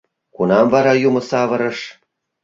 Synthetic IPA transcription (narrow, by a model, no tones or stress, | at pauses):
kunɑmvɑɾɑjumɤ̆sɑvɤ̆ɾɤ̆ʃ